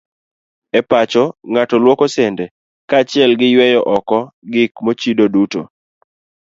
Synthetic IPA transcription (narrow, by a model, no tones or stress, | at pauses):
ɛpat͡ʃɔŋatɔlwokɔsɛndɛ | kaːt͡ʃɪɛlɡɪjwɛjɔʔɔkɔɡɪkmot͡ʃidoduto̰